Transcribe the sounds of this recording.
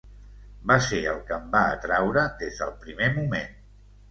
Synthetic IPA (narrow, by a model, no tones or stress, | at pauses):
baseəlˠkəmbaət̪ɾawɾəðezðəlˠpɾimemumen